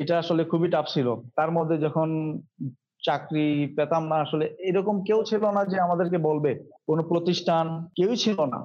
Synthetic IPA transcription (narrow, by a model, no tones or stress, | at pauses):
eʈaaʃolekʰubiʈapt͡ɕʰilot̪aɾmod̪ʱːed͡ʑɔkʰon | t͡ɕakɾipɛt̪amnaaʃoleejɾɔkomkewt͡ɕʰilonad͡ʑeamad̪eɾkebolbekonopɾot̪iʃʈʰankewt͡ɕʰilona̰